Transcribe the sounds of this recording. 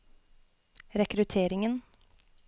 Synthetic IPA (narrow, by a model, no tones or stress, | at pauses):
ɾɛkɾʉt̪ʰeːɾɪŋən